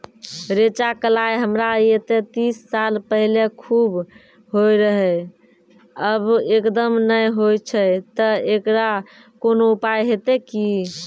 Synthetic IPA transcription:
ɾet͡ʃakəlajɦəmɾaet̪et̪isːalpəɦilekʰub | ɦojɾəɦɛ | əbekd̪əmnəjɦojt͡ʃʰət̪əekɾa | konoupajɦet̪eki

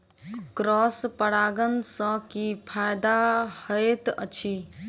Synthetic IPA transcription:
kɾɔspəɽaɡənsə̃kipʰajd̪ahəet̪ə̰t͡ʃʰi

